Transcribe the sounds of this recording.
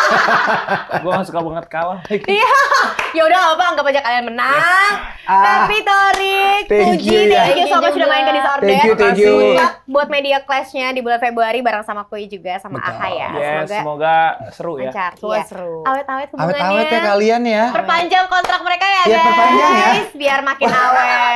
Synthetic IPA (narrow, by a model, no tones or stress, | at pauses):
ɡuamasu̥kabaŋət̪̚kalakjajaudaawapaŋɡapad͡ʒakːalianmənaŋ | apit̪oɾik̚t̪ɛd͡ʒiiakiusaasudahmainkandit̪ard̪ɛut̪ɛkjubuat̪̚mediaklɛsɲadibulanfebɾuaɾibaɾaŋsamakuid͡ʒuɡasama̰ʔa̰kaja̰jɛsəmosɡamoɡasəɾujəat͡ʃarsuasəɾuawɛt̪awɛt̪kəbawɛawɛt̪jakalianjapərpaɲd͡ʒaŋkɔnt̪ɾak̚məɾekajajasasaiaɪsbiarmakɪnawɛ